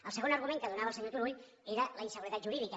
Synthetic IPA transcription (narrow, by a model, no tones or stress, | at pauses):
alseɣo̞naɾɣ̞umeŋkaðonaβalseɲut̪uɾuʎ | eɾalainseɣuɾeðat̪ʒuɾiðika